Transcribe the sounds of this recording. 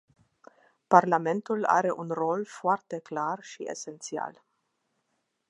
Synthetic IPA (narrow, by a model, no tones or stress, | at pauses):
parlame̞nt̪ula̰ɾe̞ʔunro̞lfoart̪e̞klarʃiḛse̞nt̪sia̰l